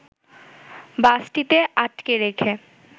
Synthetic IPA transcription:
basʈit̪eʔaʈkeɾekʰe

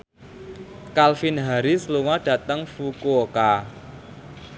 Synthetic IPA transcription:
kalfinɦaɾisəluŋad̥ä̤t̪əŋfukuoka

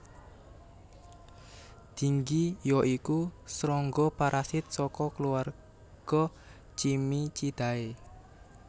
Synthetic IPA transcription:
d̪̥i̤ŋɡijɔʔikusɾɔŋɡɔpaɾʔasɪt̪̚sɔkɔkəluar | ɡ̥ɔ | t͡ʃimit͡ʃid̪̥a̤e

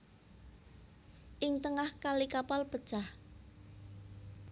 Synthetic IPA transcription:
ʔɪŋt̪əŋahkalikapalpə̥t͡ʃah

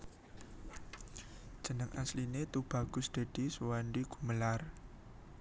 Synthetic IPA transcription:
ʒ̥ənəŋʔaslinet̪ub̥a̤ɡ̥ʊ̤sd̪̥a̤d̪̥i̤swandiɡ̥uməlar

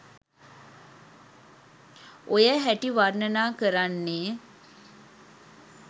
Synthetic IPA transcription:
ʔojəɦæʈiʋarnənaːkəɾanːeː

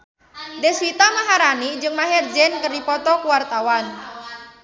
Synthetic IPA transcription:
dɛswit̪amaɦaɾanid͡ʒɨŋmaɦɛrd͡ʒɛnkərdipɔt̪ɔkuwart̪awan

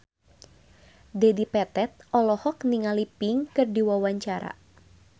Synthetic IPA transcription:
dɛdipɛt̪ɛt̪̚ʔɔlɔhɔkniŋalipɪŋkɨrdiwawaɲt͡ʃaɾa̰

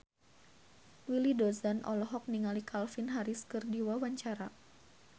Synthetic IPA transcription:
wilidɔzanʔɔ̰lɔɦɔk̚niŋalikʰalfinɦaɾiskɨrdiwawaɲt͡ʃaɾa

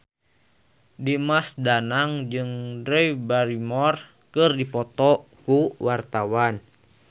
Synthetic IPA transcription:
dimasdanaŋd͡ʒɨŋdɾɛjbaɾimɔr | kɨrdipɔt̪ɔkuwart̪awan

